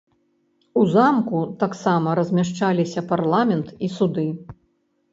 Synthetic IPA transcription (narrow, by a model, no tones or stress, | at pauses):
uzamkut̪aksamɐɾɐzʲmʲaʂt͡ʂalʲisʲɐparlˠamʲɛnt̪isud̪ɨ